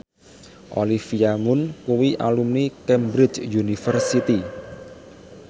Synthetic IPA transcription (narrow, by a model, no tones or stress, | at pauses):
ʔolifiamʊnkuwiʔa̰lumnikɛmbɾɪt͡ʃjunifərsit̪i